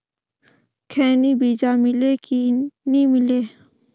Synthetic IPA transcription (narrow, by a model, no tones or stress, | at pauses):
kʰɛːnibiːd͡ʒamɪlekinĩmɪleː